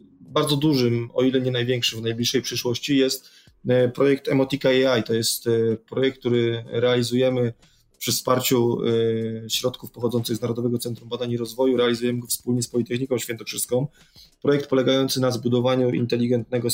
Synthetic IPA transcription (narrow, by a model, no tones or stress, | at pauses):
baɾd̪zɔd̪uʐɘmɔ̰ilɛɲɛnajvʲjɛŋkʂɘmvnajblʲiʂːɛjpʂɘʂwɔɕt͡ɕijɛst̪ | pɾɔjɛk̚t̪ɛmɔt̪ʲikaɛajt̪ɔjɛst̪pɾɔjɛk̪k̚t̪uɾɘɾɛalʲizujɛmɘ | pʂɘfspaɾt͡ɕu | ɕɾɔt̪kufpɔxɔd̪zɔnt̪sɘɣznaɾɔd̪ɔvɛɡɔt̪sɛnt̪ɾumbad̪aɲiɾɔzvɔjuɾɛalʲizujɛmɘɡɔfspulɲɛspɔlʲit̪ɛxɲikɔ̃w̃ɕʲfʲjɛnt̪ɔkʂɘskɔ̃w̃ | pɾɔjɛk̚t̪̚pɔlɛɡajɔnt̪sɘnazbud̪ɔvaɲuʔḭnt̪ɛlʲiɡɛnt̪̚nɛɡɔ